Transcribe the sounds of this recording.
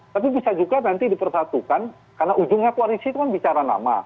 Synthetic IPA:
t̪apibisad͡ʒuɡanant̪idipərsat̪ukan | karnaʔud͡ʒʊŋɲak̪ualisit̪ukanbit͡ʃaɾana̰ma̰

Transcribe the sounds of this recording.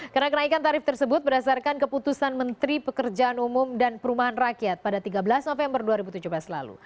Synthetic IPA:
karənakənaikant̪aɾɪft̪ərsəbʊt̪̚bərdasarkankəput̪usanmənt̪ɾipəkərd͡ʒaanumʊmdanpəɾumaɦanrakiat̪̚padat̪iɡabəlasnofɛmbərduaɾibut̪ud͡ʒuhbəlasla̰lṵ

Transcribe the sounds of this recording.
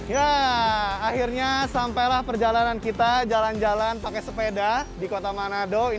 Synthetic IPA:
jaː | hirɲasampajlahpərd͡ʒalanankit̪ad͡ʒaland͡ʒalanpakɛsəpedadikot̪amanadoi

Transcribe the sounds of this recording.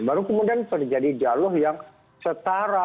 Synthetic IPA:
baɾukəmudiant̪ərd͡ʒadid͡ʒalɔhjaŋ | sət̪aɾa

